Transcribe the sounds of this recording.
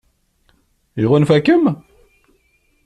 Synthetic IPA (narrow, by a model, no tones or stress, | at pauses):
iʁʊnfækːəm